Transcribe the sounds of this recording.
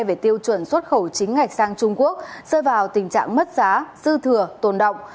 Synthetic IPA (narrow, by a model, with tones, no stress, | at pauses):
jve˨˩t̪i˧əwt͡ɕwə˧˩nswə˦˥t̚xə˧˩wt͡ɕï˨˦ŋ̟ŋa˨˩jk̚saː˧ŋt͡ɕʊ˧ŋ͡mku˦˥ək̚səː˧jvaː˨˩wt̪ï˨˩ŋ̟t͡ɕa̰ː˧˨ŋmə˦˥t̚zaː˨˦sɨ˧t̪ʰɨ˨˩ət̪o˨˩nɗə̰˧˨wŋ͡m